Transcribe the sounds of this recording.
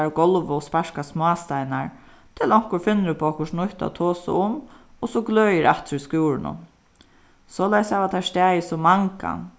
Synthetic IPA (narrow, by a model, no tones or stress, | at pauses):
ɾɡɔlʋʊɔspaʂkasmɔast̪ajnaɹ | t̪ʰɪlɔŋ̥kʊɹfɪnːɾɪpʰɔɔhkʊʂnʊht̪a̰t̪ʰoːsʊ̰ʊm | ɔsɔɡløːjɪɾaht̪ɾʏskjuːɾɪnʊ̰ | sɔːlajshɛːʋat̪ʰast̪ɛːjɪsɔmaŋka̰n